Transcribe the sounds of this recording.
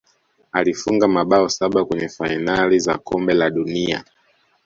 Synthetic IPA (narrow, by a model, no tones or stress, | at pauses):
alifuŋɡamaɓaɔsaɓakwɛɲɛfainaliza̰kʰɔmbɛlaɗunia̰